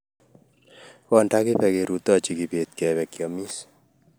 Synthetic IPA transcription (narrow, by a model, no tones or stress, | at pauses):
kɔndakepɛkeɾut̪ɔt͡ʃikibet̪̚kɛβɛkjɔmis